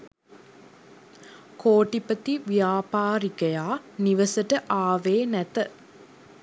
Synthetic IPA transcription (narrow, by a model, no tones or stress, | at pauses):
koːʈipət̪iʋjaːpaːɾikɐjaːniʋəsəʈəʔaːʋeːnæt̪ə